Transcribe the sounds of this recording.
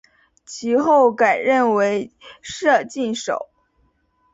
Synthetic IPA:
t͡ɕʰi˧˥xo˥˩ʊka˨˩ɪɻə˥˩nwe˧˥ɪʂɤ˥˧t͡ɕi˥˩nʂo̰˨˩˦ʊ

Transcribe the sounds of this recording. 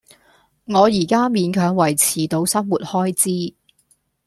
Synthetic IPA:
ŋɔː˨˧jiː˨˩kaː˥miː˨˧nkʰœː˨˧ŋwɐ˨˩jt͡sʰiː˨˩t̪o˨˧wsɐ˥mwuː˨t̚hɔː˥jt͡siː˥

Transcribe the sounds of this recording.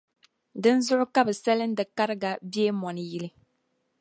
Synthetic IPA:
dɨ˦n˦zʊ˦ʔʊ˦ka˦bɨ˨sa˦lɨ˦n˦dɨ˨ka˦ɾɨ˦ɡa˨bi˦e˦mɔ˨nɨ˨ji˦lɨ˦

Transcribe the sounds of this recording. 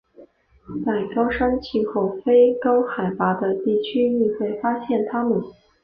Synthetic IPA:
t͡sa˥˩ɪkɑ˥ʊʂɑ˥ŋt͡ɕʰi˥˧xʰo˥˩ʊfe˥ɪkɑ˥ʊxa˨˩ɪpa˧˥d̪ə˧t̪i˥˩t͡ɕʰy˥my˥˧xwe˥˩ɪfa˥ɕjɛ˥˩nt̪ʰa˥mə˨˩n

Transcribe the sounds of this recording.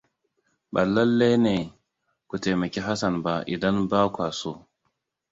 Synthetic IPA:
ɓa˨lɐ˦lːe˦ne˨ | ku˨te˨mɐ˨kʲe˦ɦa˦sɐ˨nba˦ʔḭ˨da˦nba˦kʷa˨so˦

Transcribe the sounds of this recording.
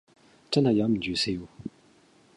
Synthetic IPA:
ʈ͡ʂa˥na˨ja˩˨˥mə˨d͡ʑy˩˨se˥˨ju˥˨

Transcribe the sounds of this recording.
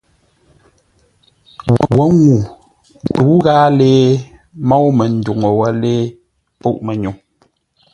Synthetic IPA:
wwə˦ŋu˨ | tu˨˦ɣaː˦leː˦ | mɔ˦wmə˨n̩˦du˨ŋo˨wə˦leː˦ | po˦ʔmə˨ɲu˨

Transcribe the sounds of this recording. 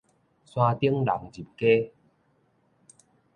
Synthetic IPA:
swã˧t̪i˦əŋla̰˨˦ŋd͡ʑi˨˩p̚ke˦

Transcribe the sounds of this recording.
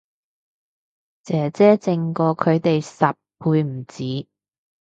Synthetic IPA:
t͡sɛː˨˥t͡sɛː˥t͡sɪ˧ŋkɔː˧kʰɵ˨˧ɥt̪e˨jsɐ˨p̚pʰːuː˧jm̩˨˩t͡siː˨˥

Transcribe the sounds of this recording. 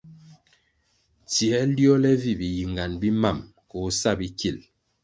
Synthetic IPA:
tjɛ˦ljɔ˦lɛ˦vi˦˨bi˨ji˨ŋɡa˨nbi˦ma˦˨m | ko˨˦sa˦˨bi˦ki˦˨l

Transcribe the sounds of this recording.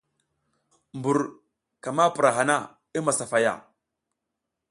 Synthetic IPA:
mbu˨ɾ | ka˨ma˦pɾa˨ɦa˨na˦ | i˦ma˨sa˨fa˨ja̰˦˨

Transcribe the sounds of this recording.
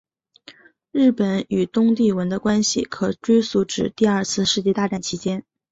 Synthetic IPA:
ɻɻ̩˥˩pə˨˩ny˨˩t̪ʊ˥ŋt̪i˥˩wə˧˥nd̪ə˧kwa˥nɕḭ˨˩kʰɤ˨˩ʈ͡ʂwe˥ɪsu˧˥ʈ͡ʂɻ̩˨˩t̪i˥˧ɐ˥˧t͡sʰɹ̩˥˧ʂɻ̩˥˧t͡ɕjɛ˥˧t̪a˥˧ʈ͡ʂa˥˩nt͡ɕʰi˧˥t͡ɕjɛ˥n

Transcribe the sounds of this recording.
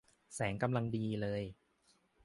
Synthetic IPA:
sɛː˩˦ŋka˧mla˧ŋdiː˧lɤː˧j

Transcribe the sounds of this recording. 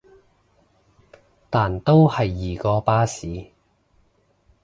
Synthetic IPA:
t̪aː˨nt̪o˥whɐ˨jːiː˨kɔː˧paː˥siː˨˥

